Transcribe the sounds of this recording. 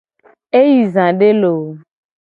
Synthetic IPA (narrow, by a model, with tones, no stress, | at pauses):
e˦ji˨zã˨ɖe˦lo˨